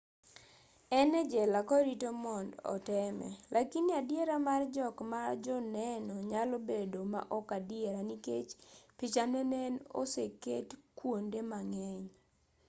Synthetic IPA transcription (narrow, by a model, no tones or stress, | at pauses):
ɛnɛd͡ʒɛlakɔɾitomɔndɔ̰tɛmɛ̰lʔakinadjeɾamard͡ʒɔkmad͡ʒɔnɛnɔɲalobedoma̰ʔɔkadɪeɾaniket͡ʃpit͡ʃanɛnɛno̰seketkwondemaŋɛɲ